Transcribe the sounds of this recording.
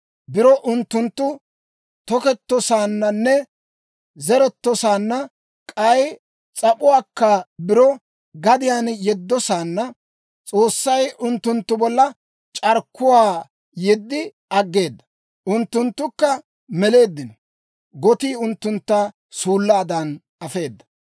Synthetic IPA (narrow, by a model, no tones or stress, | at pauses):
bɪɾɔʔʊnt̪ːʊnt̪ːʊ | t̪ɔkɛt̪ːɔsaːnːɐnːɛ | zɛɾɛt̪ːɔsaːnːɐ | kʼɐj | t͡sʼɐpʼʊwaːkːɐbɪɾɔ | ɡɐd̪ɪjaːnjɛd̪ːɔsaːnːɐ | t͡sʼo̞ːsːɐjʔʊnt̪ːʊnt̪ːʊbɔlːɐ | t͡ʃʼɐɾkːʊwaː | jɛd̪ːɪ | ɐɡːe̞ːd̪ːɐ̥ | ʔʊnt̪ːʊnt̪ːʊkːɐ | mɛle̞ːd̪ːɪnɔ | ɡɔt̪iːʊnt̪ːʊnt̪ːa | suːlːaːd̪ɐn | ɐfe̞ːd̪ːɐ̥